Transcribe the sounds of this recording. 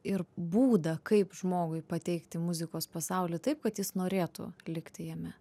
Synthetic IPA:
ɪɾbuːd̪ɐkɐɪpʒmoːɡʊɪpɐt̪ʲɛɪkt̪ʲɪmʊzʲɪkoːspɐsɐʊlʲɪt̪ɐɪp̚kɐt̪jɪsnoːɾʲeːt̪ʊ̰lʲɪkt̪ʲɪjɛmʲɛ

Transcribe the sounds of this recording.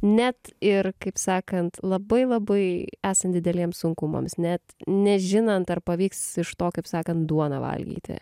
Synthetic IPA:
nʲɛt̪ɪɾkɐɪpsɑːkɐnt̪lˠɐbɐɪlˠɐbɐɪæːsɐnd̪ʲɪd̪ʲɛlʲiɛmsʊŋkʊmɐ̰msnʲɛt̪nʲɛʒʲɪnɐnt̪ɐrpɐʋʲiːksɪʃt̪oːkɐɪpsɑːkɐnt̪̚d̪uɔnɐ̰ʋɐ̰lʲɡʲḭːt̪ʲɪ̰

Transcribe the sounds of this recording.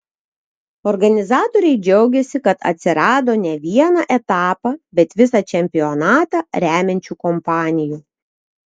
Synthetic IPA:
ɔɾɡɐnʲɪzɑːt̪oɾʲɛɪd͡ʒʲɛʊɡʲɛsʲɪkɐt̪ɐ̰t̪ʲsʲɪɾɑːd̪oːnʲɛʋʲiɛnɑʔɛt̪ɑːpɑbʲɛt̪ʋʲɪsɑt͡ʃʲɛmʲpʲɪɔnɑːt̪ɑɾʲæːmʲɛnʲt͡ʃʲuːkɔmpɑːnʲɪjuː

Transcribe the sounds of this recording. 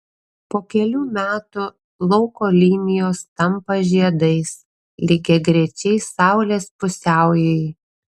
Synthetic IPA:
poːkʲɛlʲuːmʲæːt̪u | lˠɒʊkoːlʲiːnʲɪjoːst̪ɐmpɐʒʲiɛd̪ɐɪs | lʲɪɡʲɛɡɾʲɛt͡ʃʲɛɪsɑˑʊlʲeːspʊsʲæˑʊjɛj

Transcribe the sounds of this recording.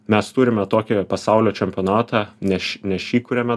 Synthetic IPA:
mʲɛst̪uɾʲɪmʲɛt̪oːkʲɪpɐsɑʊlʲoːt͡ʃʲɛmʲpʲonɑːt̪ɑnʲɛʃnʲɛʃʲiːkʊɾʲɛmʲɛ

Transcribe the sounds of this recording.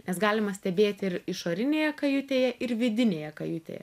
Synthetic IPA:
nʲɛsɡɑːlʲɪmɐsʲt̪ʲɛbʲeːt̪ʲɪɾɪʃoːɾʲɪnʲeːjɛkɐjʊt̪ʲeːjɛʔɪɾʋʲɪd̪ʲɪnʲeːjɛkɐjʊt̪ʲḛːjɛ̰

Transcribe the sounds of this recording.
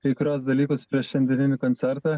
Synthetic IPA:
kɐɪkʊɾʲuɔs̬d̪ɐlʲiːkʊspʲɾʲiɛʃʲɛnʲd̪ʲɛnʲɪnʲɪkonʲt̪ʲɛɾt̪ɑ

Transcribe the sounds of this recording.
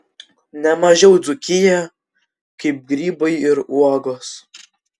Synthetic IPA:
nʲɛmɐʒʲɛʊd̪zʊkʲɪjɛ | kɐɪp̚ɡɾʲiːbɐɪɪɾuɔɡoːs

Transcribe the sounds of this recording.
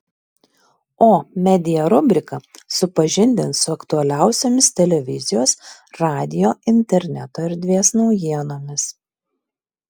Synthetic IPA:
oːmʲɛd̪ʲɪjɛɾʊbʲɾʲɪkɐsʊpɐʒʲɪnʲd̪ʲɪnsʊɐkt̪ʊɐlʲæˑʊsʲoːmʲɪst̪ʲɛlʲɛʋʲɪzʲɪjoːsɾɑːd̪ʲɪjoːɪnʲt̪ʲɛɾʲnʲɛt̪oːɪɾd̪ʲʋʲiɛsnɒʊjiɛnoːmʲɪs

